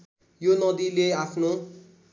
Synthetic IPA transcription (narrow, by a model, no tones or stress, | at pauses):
jonʌd̪ileapʰno